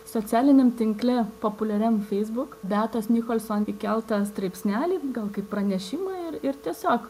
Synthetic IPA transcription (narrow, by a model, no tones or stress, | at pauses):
soːt͡ssʲæːlʲɪnʲɛmt̪ʲɪŋklʲɛpoːpʊlʲɛɾʲɛmfʲɛɪzbʊkbʲæːt̪oːsnʲɪkoːlʲsoːnikʲɛlˠt̪ɐst̪ɾɐɪpʲsʲnʲæːlʲiːɡɐlˠkɐɪppɾɐnʲɛʃʲɪmɑːɪɾɪɾt̪ʲiɛsʲoːk